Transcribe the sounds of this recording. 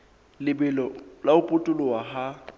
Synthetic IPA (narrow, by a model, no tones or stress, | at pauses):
lɪbɪlɔlaʊpʼʊtʼʊlʊwaɦa